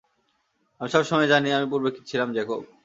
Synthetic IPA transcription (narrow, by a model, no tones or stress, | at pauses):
amiʃɔbʃɔmɔed͡ʑaniamip̬uɾbekʰːit̪t͡ɕʰilamd͡ʑɛkob̚